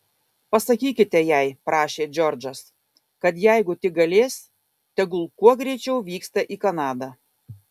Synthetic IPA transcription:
pɐsɐkʲiːkʲɪt̪ʲɛjæɪpɾɑːʃʲeːd͡ʒʲɔɾʲd͡ʒɐs | kɐt̪jæɪɡʊt̪ʲɪɡɐlʲeːsʲ | t̪ʲɛɡʊlˠkuɔɡɾʲɛɪt͡ʃʲɛʊʋʲiːkst̪ɐʔiːkɐnɑːd̪ɑ

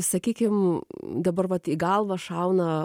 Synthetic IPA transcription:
sɐkʲiːkʲɪmd̪ɐbɐɾʋɐt̪iɡɐlˠʋɐʃɐʊnɐ

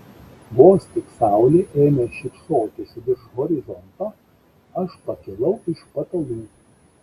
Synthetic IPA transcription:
ʋoːsʲt̪ʲɪksɑˑʊlʲeːʔeːmʲɛʃʲɪpsoːkʲesʲʊd̪ʲɪɾʃɣɔɾʲɪzɔnt̪o | ɐʃpɐkʲɪlˠɐʊɪʃpɐt̪ɐlˠʲuː

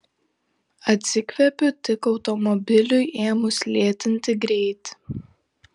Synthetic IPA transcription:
ɐt̪ʲsʲɪkʲʋʲɛpʲʊt̪ʲɪkɒʊt̪ɔmɔbʲɪlʲʊjʔeːmʊslʲeːt̪ʲɪnʲt̪ʲɪɡɾʲɛɪt̪ʲ

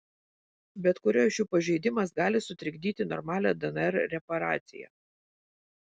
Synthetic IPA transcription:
bʲɛt̪kʊɾʲoːʃjuːpɐʒʲɛɪd̪ʲɪmɐsɡɑːlʲɪsʊt̪ʲɾʲɪɡʲd̪ʲiːt̪ʲɪnɔ̰ɾmɑːlʲɛ̰d̪ɛnɛɾɾʲɛpɐɾɑ̰ːt̪sʲɪ̰jɛ̰

